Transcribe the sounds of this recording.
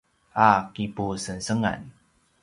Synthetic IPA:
akipusənsəŋa̰n

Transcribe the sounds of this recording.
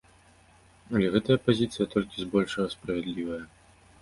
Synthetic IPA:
ɐlʲɛɣɛt̪ɐjɐpazʲit̪sɨjɐt̪ɔlʲkʲizbɔlʲʂɐɣɐspɾɐvʲɛd̪lʲivɐjɐ

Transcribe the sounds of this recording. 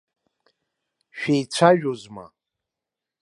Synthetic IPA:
ʃᶣejt͡sʷʰaɥᶣozma̰

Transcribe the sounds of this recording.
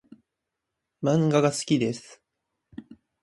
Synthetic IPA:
mãŋɡaɡasɨ̥kʲid̪e̞sɨ̥

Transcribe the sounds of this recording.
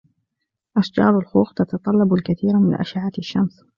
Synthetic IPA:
ʔaʃd͡ʒɑ̰ːɾˤalxuːxt̪at̪ɑt̪ˤɑlːɑbalkaθiːɾmɪnʔa̰ʃaʕat̪ɪʃːams

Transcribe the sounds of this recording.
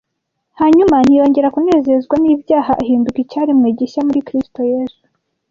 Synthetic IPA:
haɲuman̥hijo̞ːɲɟe̞ɾakune̞ːze̞zɡwaniːbjaːɦaʔaɦiːndukicaːɾimŋeːɟeʃamuɾikɾisto̞jeːzu̥

